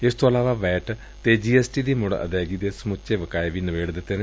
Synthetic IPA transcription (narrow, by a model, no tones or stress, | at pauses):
ɪst̪õːəlaːʋaːʋɛːʈ | t̪eːd͡ʒiːɛːsʈiːd̪iːmʊɽə̰d̪ɛːɡiːd̪eːsəmʊt͡ʃeːʋəkaːeʋiːnəʋeːɽd̪ɪt̪ːeːneː